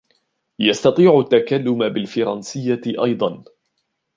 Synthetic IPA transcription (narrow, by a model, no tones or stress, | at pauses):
jɑst̪ɑt̪ˤiːʕʊt̪ːakalːʊmabɪlfɑɾˤɑnsɪjːaʔɑjd̪ˤɑn